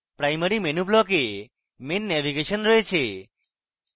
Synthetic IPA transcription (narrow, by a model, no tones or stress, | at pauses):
pɾajməɾimenublɔke | menːɛʋiɡeʃənɾɔet͡ʃʰe